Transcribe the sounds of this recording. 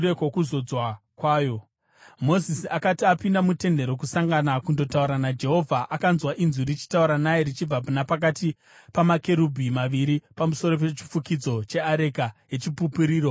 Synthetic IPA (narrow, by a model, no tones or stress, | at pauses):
ekwokuzo̞d͡zwakwaːjo̞ | mo̞zisiakatiapindamute̞nde̞ɾo̞k̬usaŋɡanakundo̞tauɾanad͡ʒe̞ɦo̞vʱaʔakanzwaʔinzurit͡ʃi̥tauɾanajerit͡ʃib͡vapunapak̬ati | pamake̞ɾubʱimaʋiɾipamuso̞ɾo̞p̬e̞t͡ʃi̥fukid͡zo̞t͡ʃe̞aɾe̞kaje̞t͡ʃipupuɾiːɾo̞